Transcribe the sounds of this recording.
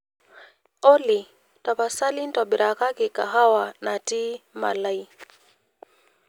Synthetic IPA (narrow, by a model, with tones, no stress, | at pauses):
ɔ˦li | ta˨pa˨sa˦lin˦taɓi˨ɾa˨ka˦kika˨ɦa˦wana˨ti˦ma̰˨la˦i